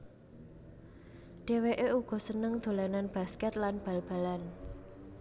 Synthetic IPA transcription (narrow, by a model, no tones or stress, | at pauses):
ɖ̥e̤weʔeuɡ̥ɔ̤sənəŋd̪̥o̤lananb̥a̤skɛt̪lanb̥a̤lb̥a̤lan